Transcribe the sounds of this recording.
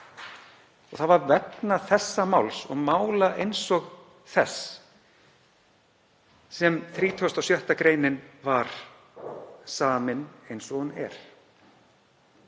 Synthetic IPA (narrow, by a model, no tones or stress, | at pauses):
ɔɣθaðvaɾvɛtnaθɛsːamawlsɔɣmaːwlaʔejnsɔɣ | θɛs | ɛmθɾiːt̪ʰɔst̪awsjœht̪akɾeːjnɪnvaɾ̥ | saːmɪnejnsɔɣʏnɛ̰ɾ̥